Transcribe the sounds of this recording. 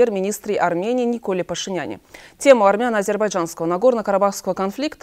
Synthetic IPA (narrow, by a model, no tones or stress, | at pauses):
ermʲɪnʲist̪ɾʲɪʔarmʲenʲijːnʲɪko̞lʲɪpəʂɨnʲanʲɪ̰tʲe̞mʊɐrmʲɪanːəɐzʲe̞rbajʐanskəvənaɡo̞rnəkəɾabafskəvəkɐnflʲikt̪